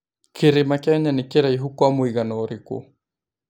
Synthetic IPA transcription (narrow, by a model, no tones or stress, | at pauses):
kiɾimakɛɲanikiɾaiɦukwamuiɣanɔɾikṵ